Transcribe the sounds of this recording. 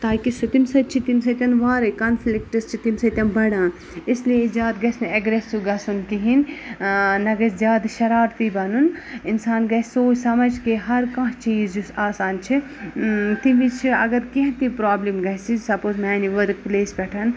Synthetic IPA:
t̪aːkisɐt̪imsɐt͡ʃʰit̪imsɐt̪ʲɐnʋaːɾɐkɐnflikʈɐst͡ʃʰit̪imsɐt̪ʲɐnbɐɽãː | ɪsliezjaːd̪ɡɐsnɐɡɾesuɡɐsunkiɦin | nɐɡɐszjaːd̪ʃɐɾaːɾt̪ibɐnunɪnsaːnɡɐsʲsoːt͡ʃsɐmɐd͡ʒkeɦɐɾkɐ̃ɦt͡ʃiːzd͡ʒusaːsaːnt͡ʃʰi | t̪iʋit͡ʃʰiɐ̰ɡɐɾkiɦt̪ipɾaːblimɡɐt͡ʃʰisɐpoːzmaːniʋɐɾkpleːsbɛʈʰɐn

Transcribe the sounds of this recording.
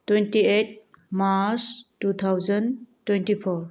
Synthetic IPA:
twentiet̚mastut̪ʰawzəntwentipʰɔɾ

